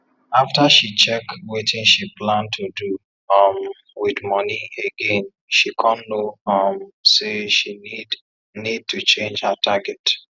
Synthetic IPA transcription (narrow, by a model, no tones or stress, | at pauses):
aftaʃit͡ʃɛkwetɪ̃nʃiplãntʰudu | ʌm | wɪdmɔnieɡẽn | ʃikʰɔ̃nːoʌmseʃinid | nid̚tʰut͡ʃẽnd͡ʒhətʰaɡɛt